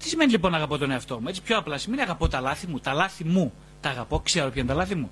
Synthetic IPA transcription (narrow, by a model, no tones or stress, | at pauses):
t̪isime̞nilipo̞nːɐɣɐpo̞t̪oneɐft̪o̞muet͡sipço̞ɐplɐsimeniɐɣɐpo̞t̪ɐlɐθimut̪ɐlɐθimu | t̪ɐːɣɐpo̞kseɾopçent̪ɐlɐθimu